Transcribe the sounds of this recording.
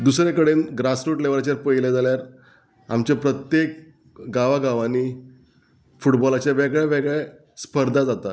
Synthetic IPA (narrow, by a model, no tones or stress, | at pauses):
d̪usɾekəɽenɡɾasɾoʈleʋɾat͡ɕjaɾpəjled͡zaljaɾ | a̰mt͡ɕapɾət̪jek̚ | ɡaʋaɡaʋaniː | fuʈbɔlat͡ɕjaʋɛɡɭɛʋɛɡɭɛ | spəɾd̪ʱad͡zat̪a